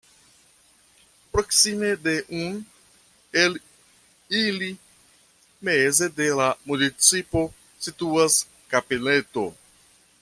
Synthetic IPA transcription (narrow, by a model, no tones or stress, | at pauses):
pɾo̞ksime̞de̞ʔun | el | ili | meze̞de̞lamunit͡sipo̞ | situas | kabile̞to̞